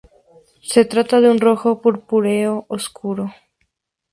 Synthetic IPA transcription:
se̞t̪ɾat̪aðeunro̞xo̞puɾpuɾeoʔoskuɾo̞

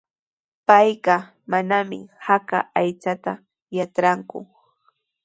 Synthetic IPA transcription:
pajɢɑ | manamɪ̰haka̰ajt͡ʃat̪a | jat͡ʃɾaŋkʊ̰

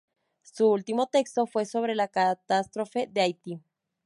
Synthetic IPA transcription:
suult̪imo̞t̪e̞kst̪o̞fwe̞so̞β̞ɾe̞lakat̪ast̪ɾo̞fe̞ðeajt̪i

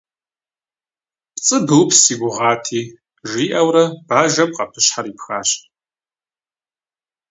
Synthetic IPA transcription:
pt͡sʼɨbɨwpsiːɡʷʊʁɑːtʰiː | ʒiːʔɐwɾɐb̥aːʒɐmqɐ̰pʰɨɕħaɾiːpxa̰ːɕ

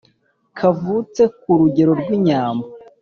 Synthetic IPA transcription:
kʰavut͡se̞kuɾuɟe̞ɾo̞ɾɡwiɲaːmba

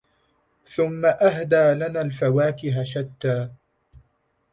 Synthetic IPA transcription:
θʊmːaʔaɦd̪aːlanaːlfawaːkɪɦaʃat̪ːaː

